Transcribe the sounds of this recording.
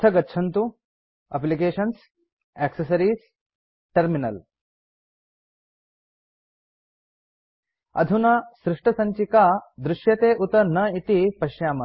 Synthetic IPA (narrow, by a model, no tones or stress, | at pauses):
ɐɡɐtːɕʰɐnt̪u | ɐ̰p̬lik̬eːɕɐns | ɛksesɐɾiːs | ʈɐɾminɐ̰l | ɐ̰d̪ʱunasɾuʂʈɐsɐɲt͡ɕikad̪ɾuʂjɐt̪eːʔut̪ɐnɐit̪ipɐɕjaːmɐ